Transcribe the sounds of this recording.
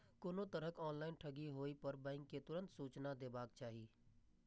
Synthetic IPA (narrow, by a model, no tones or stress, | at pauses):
kʊnõt̪əɾəkɔːnlaːɪnʈʰəɡiɦoːipəɾbɛ̃ːɪŋkːet̪ʊɾə̃nt̪suːt͡ʃnad̪eːbaːkt͡ʃaːɦiː